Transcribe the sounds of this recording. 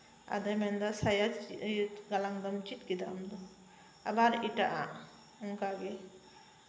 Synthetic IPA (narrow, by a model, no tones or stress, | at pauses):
a̰d̪amɛnd̪asajad͡ʒtɡalaŋd̪ɔmt͡ʃit̪ɡid̪a̰md̪ɔ | a̰baɾiʈaʔa̰ʔ | uŋkaɡe